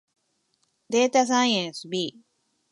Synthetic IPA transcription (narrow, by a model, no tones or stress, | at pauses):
d̪et̪as̬ãjẽsbi